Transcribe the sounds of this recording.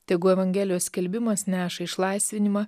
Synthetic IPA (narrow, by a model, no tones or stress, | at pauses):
t̪ʲɛɪɡʊɛʋɐŋʲɡʲɛːlʲɪjoːsʲkʲɛlʲbʲɪmɐsnʲæːʃɐɪʃlˠɑɪsʲʋʲɪnʲɪmɑː